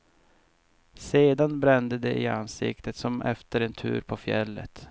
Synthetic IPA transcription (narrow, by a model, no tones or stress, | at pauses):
seːd̪anbɾɛnd̪əd̪ɛʔɪansɪ̰kt̪ʰət̪sɔmʔɛ̰ft̪əɾɛnt̪ʰʉ̟̰ːɾpʰɔfjɛlːə̰t̪